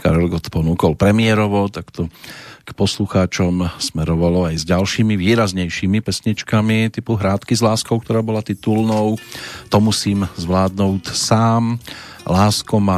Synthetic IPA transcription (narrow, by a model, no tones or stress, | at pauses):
ka̰ɾɛlɡɔt̪pɔnuːkɔlpɾɛmɪɛɾɔʋɔt̪akt̪ɔkpɔsluxaːt͡ʃɔmsmɛɾɔʋalɔajzɟalʃiːmiʋiːɾazɲɛjʃiːmipɛsɲit͡ʃkamit̪ipuɦɾaːt̪kizlaːskɔʊkt̪ɔɾaːbɔlat̪it̪ulnɔʊt̪ɔmusiːmzʋlaːd̪nuʊcsaːm | laːskɔma